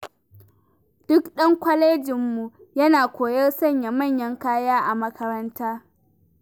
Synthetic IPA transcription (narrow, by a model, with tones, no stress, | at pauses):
d̥ʊ˦kɗɐ˦ŋkʷɐ˦leː˦d͡ʒɪ˨mːu˨jɐ˦naː˨kʷoː˨jɐ˦rsɐ˦˨ɲja˨mɐ˦˨ɲjɐ˦ŋkaː˦jaː˦ʔa˨mɐ˦kʰɐ˦ɾɐ˦ntaː˦